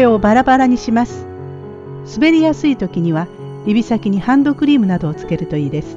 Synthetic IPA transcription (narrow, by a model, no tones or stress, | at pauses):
eo̞baɾabaɾaɲ̟iɕimasɨ̥ | sɨbe̞ɾʲijasɨit̪o̞kʲiɲ̟iβ̞a | ibʲisakʲiɲ̟ihãnd̪o̞kɯ̟ɾʲiːmɯ̟nad̪o̞ːt͡sɨ̥ke̞ɾɯ̟t̪o̞iːd̪e̞sɨ̥